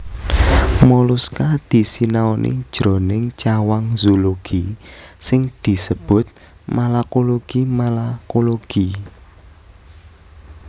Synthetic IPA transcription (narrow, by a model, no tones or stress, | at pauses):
molʊskad̪̥i̤sinaɔnʔḭd̥ʒ̥ɾonɪŋt͡ʃawaŋzoloɡ̥isɪŋd̪̥i̤səb̥ʊ̤t̪̚ | malakoloɡ̥imalakoloɡ̥i